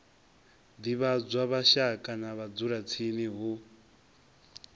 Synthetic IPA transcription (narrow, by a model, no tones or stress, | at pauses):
d̪iβad͡zʷwaβaʃakʼanaβad͡zuɾat͡sʰiniɦu